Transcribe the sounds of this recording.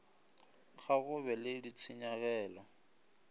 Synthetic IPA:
ɣʰaɣʊβɛledit͡sʰɪɲaɣɛːlɔ

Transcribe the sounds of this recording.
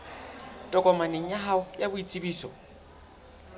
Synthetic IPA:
tʼɔkʼɔmanɪɲaɦaʊjabʊit͡sʼibiːsɔ

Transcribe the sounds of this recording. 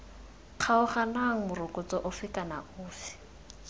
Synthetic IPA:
q͡χʰaʊχanaŋ̩mʊrʊkʼʊt͡sɔʔʊfɪkʼana̰ʊːfɪ̥

